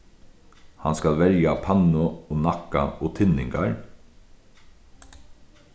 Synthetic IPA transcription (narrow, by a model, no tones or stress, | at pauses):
hɑnskɑlʋɛɾjapʰɑnʊoːnɑka̰ʔoːt̪ʰɪnɪŋɡaɹ